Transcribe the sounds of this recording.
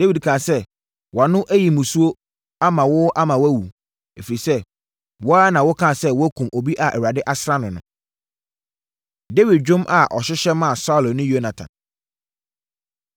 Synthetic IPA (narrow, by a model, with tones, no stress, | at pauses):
de˦wi˨dkʰã˨sɛ˦ | wa˨nʊ̃˦ʔæ˦ji˨mũ˨su˦o˦ | a˦mã˨wʊ˦ʔa˦mã˨wæ˦wu˨ | e˨fi˨i˨sɛ˦ | wɔ˦a˦nã˨wʊ˦kʰã˦˨sɛ˦wʊ˦æ˦kʰũ˨mo˨bi˦ʔa˨ʔɛ˨wa˨dɪ˦ʔa˦sɾa˦nʊ̃˨nʊ̰̃˨ | de˦wi˨d̚d͡ʑᶣʊ̃˦mʔa˨ʔɔ˨ɕɪ˦ɕɛ˦mã˦˨sa˦ʊ˨lnʊ̃˦jo˦nã˨tʰã̰˨n